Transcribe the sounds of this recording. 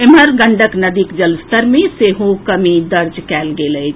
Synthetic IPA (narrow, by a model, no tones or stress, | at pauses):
eməɾɡəɳɖəknəd̪ikd͡ʒəlst̪əɾmeseɦokəmid̪əɾd͡ʒkɛlɡeləjt͡ʃʰ